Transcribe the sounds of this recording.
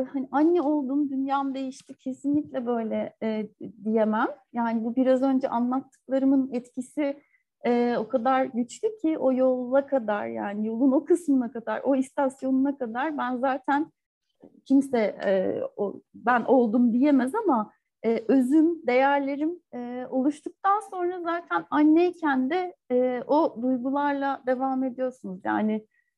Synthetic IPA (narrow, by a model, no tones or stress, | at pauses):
haniʔanːɛo̞lˠd̪umd̪ynjaːmd̪e̞jiʃt̪ʰicʰe̞sinlʲiclʲɛbø̞jlʲɛː | d̪ije̞mæmjaːnibubiɾazø̞nd͡ʒɛ̰ʔanlˠat̪ʰːɯ̥klˠaɾɯmɯnɛt̪cʰisi | ɛːo̞kʰad̪aɾɟyt͡ʃlʲycʰiʔo̞jo̞lˠːakʰad̪a̰ɾja̰ːnijo̞lˠuno̞kʰɯsmɯnakad̪a̰ɾʔo̞ist̪ʰasjo̞nunakad̪aɾbænzaːt̪ʰæn | cʰimsɛɛ̰o̰bænʔo̞lˠd̪umd̪ije̞mɛzama | ɛːʔøzymd̪e̞jæɾlʲe̞ɾimɛo̞lˠuʃt̪ʰuk̚t̪anso̞nɾazaːt̪ʰænanːejcʰænd̪ɛːʔod̪ujɡulˠaɾlˠad̪e̞vaːme̞d̪ijo̞ɾsunuzja̰ːnɪ